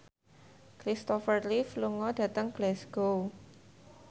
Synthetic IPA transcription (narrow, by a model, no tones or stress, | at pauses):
kɾist̪ɔfərlifluŋɔd̥ä̤t̪əŋɡ̥lɛsɡ̥o